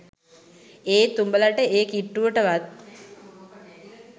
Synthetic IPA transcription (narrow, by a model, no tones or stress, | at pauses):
eːt̪umbəlaʈəʔeːkiʈːuʋəʈəʋat̪̚